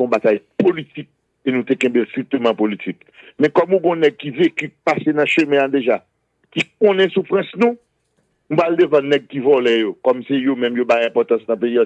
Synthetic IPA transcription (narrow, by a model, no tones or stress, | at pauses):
õbat̪ajpolitik̚ | enũt̪ekɛ̃bestʁik̚t̪ømãpolit͡sik | mɛ̃kɔmũɡõnɛɡ̚kivekypasenɐ̃ʃømɛ̃ad̪eʒa | kikõnɛ̃sufʁɐ̃snũ | nũpald̪evɐ̃nɛɡ̚kivɔlɛjokɔmsejomɛ̃mjobajɛ̃pɔt̪ɑ̃snɐ̃peiɔ